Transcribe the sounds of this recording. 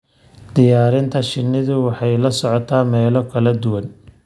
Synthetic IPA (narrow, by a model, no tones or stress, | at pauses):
d̪̥ɪjaːɾɪnt̪ʰɐʃɪnːɪðʊwɑħɑjlɐsɔʕɔt̪ʰaːmɛːlɔkʰɐlɐd̪ʊwɐn